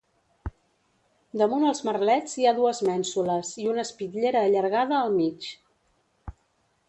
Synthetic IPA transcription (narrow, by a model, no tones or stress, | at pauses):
d̪əmunəlˠzmərlɛd͡ziaðuəzmɛnsuləziunəspitʎeɾəːʎəɾɣaðəːlˠmit͡ʃ